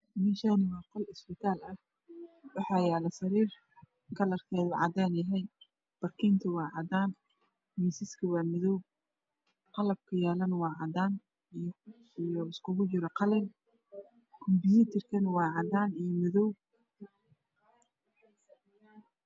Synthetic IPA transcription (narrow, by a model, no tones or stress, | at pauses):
mɛʃanɪwɑːqɔlɪsbɪt̪ʰaːlɐh | wɑħɑːjaːlɛsɐɾiːr | kʰɐlɐrkʰɛːðʊʕɑ̰d̪aːnɐɦɛj | b̥ɐrkʰiːnt̪ʰʊwɑːʕɑd̪aːn | miːsɪskʰɐwɑːmɪðɔw | qɑlɐb̚kʰɐjaːlɐnwɑːʕɑd̪aːn | ijɔɪskʰʊɣʊt͡ʃɪɾɐqɑlɛn | kʰʊmbɪjiːt̪ʰɪrkʰɐnwɑːʕɑd̪aːnijɔmɪðɔw